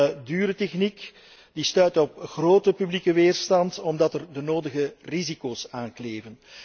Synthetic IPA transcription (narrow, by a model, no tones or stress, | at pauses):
dyːɾətɛxnik | distœɥtɔp̚xroːtəpyblikəʋeːrstɑntɔmdɑtərdənoːdəɣərizikoːsaːnkleːvən